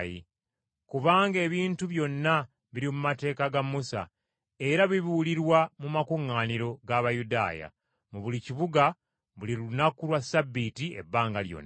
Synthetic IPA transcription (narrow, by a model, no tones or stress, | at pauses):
jḭ | kuβaːŋɡe̞ːβiːntuβjo̞nːa | βiɾimumate̞ːkaɡamːusa̰ | e̞ɾaβiβiwuliɾwamumakuŋːaːniɾo̞ɡaβajuda̰ːja̰ | muβuliciβuɡa | βuliɾunakulwasabːitie̞̰bːaːŋɡaljo̰nː